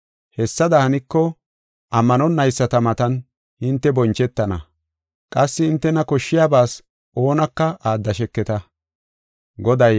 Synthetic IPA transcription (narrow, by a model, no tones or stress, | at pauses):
hɛsːɐd̪ɐhɐnɪkːɔ | ʔɐmːɐnɔnːɐjsːɐt̪ɐmɐt̪ɐn | hɪnt̪ːɛbɔnt͡ʃːɛt̪ːɐnɐ̰ | kʼɐsːɪɪnt̪ːɛnɐkɔʃːɪjaːbaːs | ʔo̞ːnɐkːɐaːd̪ːɐʃɛkːɛt̪ɐ | ɡɔd̪ɐj